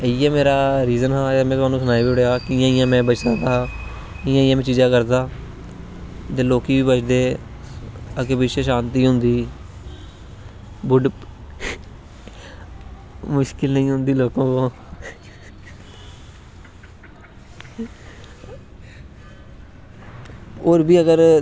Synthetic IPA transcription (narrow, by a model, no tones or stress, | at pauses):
əijãːmeːɾaːɾiːzənɦaːaːmɛ̃ːt̪ʊaːnũːsʊnaːibiːɽejaːkɪjãːɪjãːmɛ̃ːbət͡ʃd̪aːd̪aːɦː | ɪjãːɪ̃jãːmɛ̃ːt͡ʃiːzãːkəɾd̪aː | t̪eːloːkiːʋiːbət͡ʃd̪eː | əkepɪt͡ʃeʃãːnt̪iːɦʊ̃nd̪iː | bʊɖ | mʊʃkɪlnəĩːɦʊ̃nd̪iːloːkõːkõː | oːɾbiːəɡəɾ